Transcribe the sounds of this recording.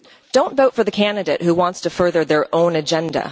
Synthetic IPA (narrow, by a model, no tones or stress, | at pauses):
d̥õʊ̃ntvoʊtfə˞ðɨkʰæ̃ndɨɾeɪʔ̚huwɑ̃ntstʰɨfɜ˞ðə˞ðə˞ʔõʊ̃nɨd͡ʒɛ̃ndə̰